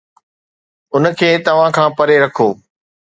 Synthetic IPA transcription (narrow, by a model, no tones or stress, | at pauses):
ʊnəkʰeːt̪ɐʋ̤ãkʰãːpɐɾeɾɐkʰoː